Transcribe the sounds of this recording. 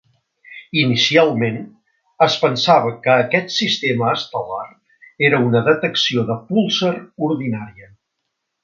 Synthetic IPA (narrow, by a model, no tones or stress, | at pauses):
inisialˠmen | əspənsaβ̞əkəːkɛt̪sist̪eməːst̪əlar | eɾəunəðət̪əksioðəpulˠsəruɾðinaɾiə